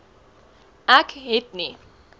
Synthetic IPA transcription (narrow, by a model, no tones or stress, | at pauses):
ãkʰɦet̪ni